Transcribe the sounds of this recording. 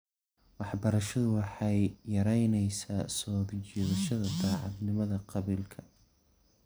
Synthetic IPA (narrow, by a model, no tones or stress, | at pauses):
wɑħbɐɾɐʃɐðʊwɑħɑjjːɐɾɛjnɛjsaːsɔːd̪t͡ʃɛːðɐʃɐðɐd̪ɑːʕɑd̪nɪmɐðɐqɑβilkʰɐ